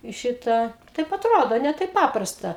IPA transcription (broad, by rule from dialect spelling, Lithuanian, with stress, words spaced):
ɪ ˈʃʲɪtɑː tɐɪp ɐtˈroːdoː nʲɛ ˈtɐɪp ˈpɑːprɐstɐ